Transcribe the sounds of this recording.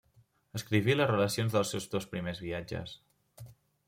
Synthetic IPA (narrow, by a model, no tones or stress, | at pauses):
əskɾiβ̞iləzrələsionzðəlˠsɛwzðospɾimezβiad͡ʒə̰s